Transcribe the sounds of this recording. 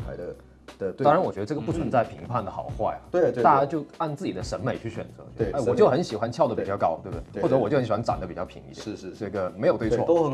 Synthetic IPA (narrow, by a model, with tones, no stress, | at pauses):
a˧˥ɪə˧˩˥ | ɑ˥ɻa˧˥nwɔ˨˩t͡ɕɥɛ˧˥də˧ʈ͡ʂɤ˥˩ɡə˩pu˥˩t͡sʰwə˧˥nt͡sa˥˩ɪpʰi˧˥ŋpʰa˥˩nd̪ə˩xɑ̰˨˩ʊxwa˥˩ɪɐ̰˩we˥˧˩a˥˧˩t͡ɕa˥t͡ɕjo˥˧ʊa˥˧nt͡sɹ̩˥˩t͡ɕi˨˩d̪ə˦ʂə˧˥nme˨˩ɪt͡ɕʰy˥˩ɕɥɛ̰˨˩nt͡sɤ̰˧˦˥e˥˧˥wɔ˨t͡ɕjo˥˩ʊxə˧˥nɕi˨˩xwa˧˦nt͡ɕʰjɑ˥˩ʊd̪ə˩pi˨˩t͡ɕjɑ˥˧ʊkɑ˥ʊt̪we˥˧bd̪xwɔ˥˩ʈ͡ʂɤ˧˥wɔ˨˩jʊxə˧˥ɕa˥n˥ʈ͡ʂa̰˨˩nd̪ə˦pi˨˩t͡ɕɑ˥˩ʊpʰi˧˥ŋḭ˧˥jɛ˥˧˥ʈ͡ʂɤ˥˩ɡə˩me˧˥ɪjo˨˩t̪wwɔ˥˧o˥˧˩